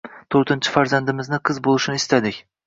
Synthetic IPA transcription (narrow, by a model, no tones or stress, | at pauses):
t̪ʰoɾt̪ʰɪnt͡ʃʰɪ̥faɾzand̪ɪmɪznɪqʰɨzbolˠɪʃɪnɪːst̪ad̪ɪkʲ